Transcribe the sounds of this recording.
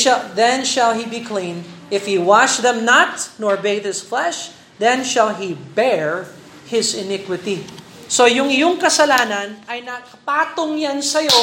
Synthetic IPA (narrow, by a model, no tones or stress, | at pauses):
ðɛ̃nʃɐlɦibikʰlĩnʔɪfhiwaʃðɛ̃mnat̪nɔɹbed̪hɪsflɛʃ | ðɛ̃nʃɐlɦibɛɹ | hɪsɪnɪkwɪt̪i | sojʊŋɪjoŋkɐsɐlaːnɐnʔɐjnɐkɐpaːt̪oŋjansɐjo